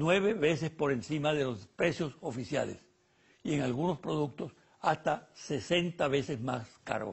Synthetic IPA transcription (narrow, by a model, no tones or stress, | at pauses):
nwe̞βe̞βe̞se̞spo̞ɾe̞nsimaðe̞lo̞spɾe̞sjo̞sofisja̰lḛs | ie̞ŋalɣuno̞spɾo̞ðuk̚t̪o̞s | ast̪ase̞se̞nt̪aβe̞sezmaska̰ɾo̰